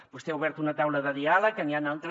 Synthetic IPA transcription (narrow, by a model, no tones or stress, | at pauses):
bust̪euβɛɾt̪unat̪awlɐðɐðialɐkanianalt̪ɾ